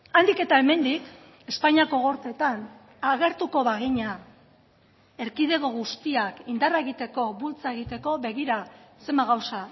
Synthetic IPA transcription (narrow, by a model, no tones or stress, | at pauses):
and̪ike̞t̪ae̞me̞nd̪ik | e̞spaɲiako̞ɣo̞ɾt̪et̪an | aɣe̞ɾt̪uko̞βaɣiɲa | e̞ɾkið̞e̞ɣo̞ɣust̪iakind̪araeɣit̪e̞ko̞βult͡sae̞ɣ̞it̪e̞ko̞βe̞ɣ̞iɾase̞mbaɣ̞awsa